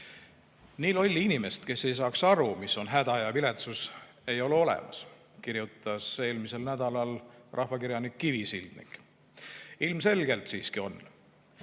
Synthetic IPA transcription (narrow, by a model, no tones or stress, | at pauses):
niːlo̞lʲːinime̞st̪ke̞se̞js̬ɑːksɑɾumisːo̞nɦæd̪̥ɑjɑvile̞t̪sus | e̞jo̞leo̞lɛ̰mɑ̰s | kiɾjut̪ːˑɑse̞ːlmise̞lnæd̪̥ɑlɑlrʔɑ̰hvɑkiɾjɑnikːivisild̪̥nḭk | ilmse̞lɡ̥e̞lt̪siːskio̞n